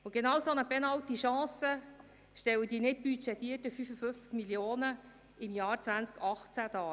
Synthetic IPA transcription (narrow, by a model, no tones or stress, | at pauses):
ʊɡ̥enɑwsonəbɛnɑwtiʃɑ̃ːsə | ʃtɛwəd̥iːnɪt̚b̥yt͡ʃɛtiːtəfyfəfʏnft͡skmiljoːnə | ɪmjɑːrt͡svænt͡skɑχt͡sæd̥ɑː